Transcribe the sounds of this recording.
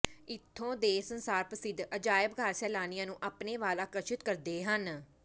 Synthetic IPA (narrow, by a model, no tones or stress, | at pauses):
ɪt̪ʰːõːd̪eːsənsaːɾpəsɪd̪ʱəd͡ʒaːjəbɡʱaːɾsɛːlaːnɪjãːnũːʔaːpneːʋaːlaːkəɾʃɪt̪kəɾd̪eːɦən